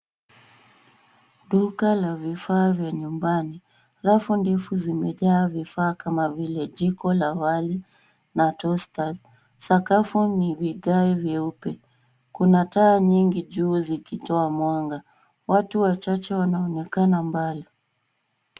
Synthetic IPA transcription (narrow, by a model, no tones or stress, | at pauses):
ɗukalavifaːvjaɲumbani | ɾafundɛfuzimɛʄaːvifaːkamavilɛʄikɔlawali | natɔstaz | sakafuniviɠaivjɛupɛ | kunataːɲiŋɡiʄuːzikitɔamwaŋɡa | watuwat͡ʃat͡ʃɛwanaɔnɛkanambali